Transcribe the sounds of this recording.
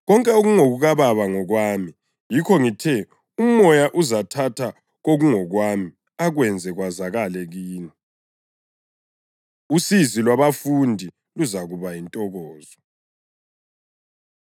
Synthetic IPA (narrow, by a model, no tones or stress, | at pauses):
ɣɔŋkʼɛoɣuŋoɣuɣaβaβaŋɔɣwaːmi | jikʰɔŋitʰɛ | umɔjaʔuzatʰatʰa | ɣoɣuŋɔɣwaːmi | aɣwɛnd͡zʱɛɣwazaɣalɛɣiːni | usizilwaβafundʱi | luzaɣuβajintʼɔɣɔːzɔ